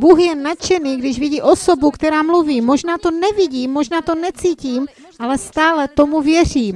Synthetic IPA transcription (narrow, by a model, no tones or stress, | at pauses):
buxjɛnat͡ʃɛniːɡdɪʒviɟiːʔosobukt̪ɛɾaːmluviːmoʒnaːt̪onɛviɟiːmːoʒnaːt̪onɛt͡siːciːm | ʔalɛst̪aːlɛt̪omuvjɛr̝iːm